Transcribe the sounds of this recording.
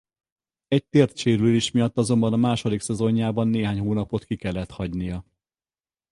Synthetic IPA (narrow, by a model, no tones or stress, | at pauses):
ɛc̚t̪eːrt̪ʃeːɾyleːʃmijɒt̪ːɒzo̞mbɒnɒmaːʃo̞d̪iksɛzo̞ɲːaːbɒnːeːɦaːɲhoːnɒpo̞t̪kikɛlːɛt̪hɒɟnijɒ